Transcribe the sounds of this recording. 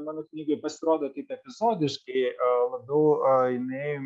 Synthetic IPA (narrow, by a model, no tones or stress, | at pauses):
mɑːnoknʲiːɡoɪpɐsʲɪɾoːd̪oːt̪ɐɪpɛpʲɪzoːd̪ʲɪʃkɐɪlˠɐbʲɛʊɪnɐɪ